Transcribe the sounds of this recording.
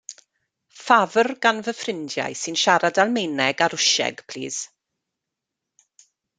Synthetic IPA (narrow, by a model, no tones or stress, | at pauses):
favərɡanvəfrɪndja̰jsɨnʃaɾadalˠmejnɛɡaɾʊʃɛ̰ɡ̥pʰl̥ḭːz̥